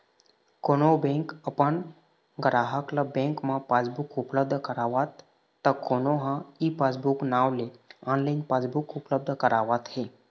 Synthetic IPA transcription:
konobẽŋkəpəɳ | ɡɾaɦəklabẽŋkmãpad͡zbukupləb̚d̪ʱəkəɾaʋat̪ː | əkonoɦãipad͡zbuknaʋleanlainpad͡zbukupləb̚d̪ʱəkəɾaʋat̪ɦe

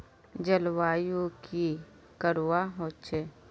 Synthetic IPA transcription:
d͡ʒəlwaːjuki | kəɾwaɦoːt͡ʃe

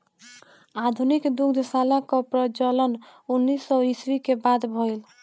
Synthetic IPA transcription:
ad̪ʱunikd̪ukd̪ʱsalakɔpɾət͡ʃələnunːisːɔiswikebad̪bʱɔjl

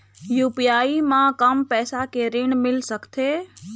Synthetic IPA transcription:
jupijaimãkəmpɛːsakeɾeɳmɪlsəkt̪ʰe

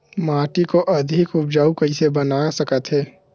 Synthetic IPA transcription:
maːʈikoʔɐd̪ʱɪkʊp̚d͡ʒaːukɐisebɐnaːsɐkət̪ɦɛː

